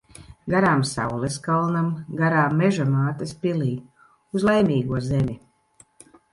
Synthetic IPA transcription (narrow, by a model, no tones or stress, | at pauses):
ɡaɾaːmsa̰wlˠeskalˠnamɡaɾaːmːɛʒamaːt̪aspʲiliː | uzlˠejmʲiːɡuɔzemʲi